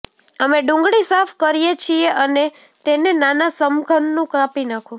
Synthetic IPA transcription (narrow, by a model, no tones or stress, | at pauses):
əmeɖʊ̃ŋɡɽisafkəɾijet͡ʃʰieʔəne | t̪enenanasəmɡʱənːũkãpinakʰũ